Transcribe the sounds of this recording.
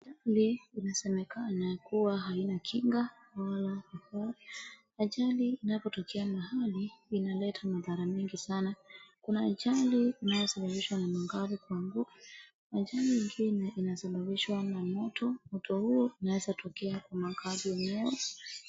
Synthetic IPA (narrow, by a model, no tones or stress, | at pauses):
aʄaliinasɛmɛkʰanakuwaɦainakʰiŋɡa | walaika | aʄaliːnapɔtɔkʰɛamahaliːnalɛtʰamaðaɾamɛŋɡisanakunaːʄaliːnajɔsaɓaɓiʃwanamaŋɡavikwaŋɡuka | aʄaliŋɡinɛʔinasaɓaɓiʃwanamɔtʰɔmɔtʰɔhuɔinawɛzatʰɔkɛakwamaŋɡaziɔɲɛɔ